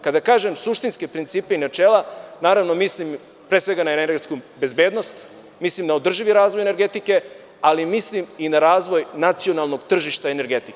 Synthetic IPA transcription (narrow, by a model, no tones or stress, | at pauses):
kad̪akaːʒe̞msuʃt̪inske̞pɾint̪siːpe̞inat͡ʃeːlˠanaːɾaʋnomislim | pɾeːsʋe̞ɡanaeeɾɡet̪skube̞zbe̞ːd̪no̞st̪ | mislimd̪ao̞d̪r̩ʒiʋiɾaːzʋojeneɾɡe̞t̪ike̞ | alimisliminaɾaːzʋo̞jnat̪sio̞nalˠno̞ɡt̪r̩ʒiʃt̪aene̞ɾɡe̞t̪ik